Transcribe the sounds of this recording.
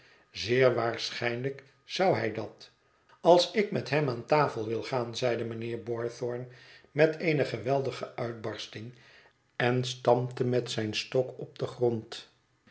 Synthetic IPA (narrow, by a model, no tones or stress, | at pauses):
zɪːɹʋaːɹsχɛjnlək | sɑwɦɛjdɑt | ɑlˠsɪkmɛtɦɛmaːntaːfəlˠʋɪlˠχaːnzɛjdəmənɪːɹbɔɹθɔɹnmɛtʰeɪjnəχəʋɛlˠdəχəʔœɥd̚bɑɹstɪŋ | ɛnstɑmtəmɛtsɛjnstɔkɔp̚dəχrɔnt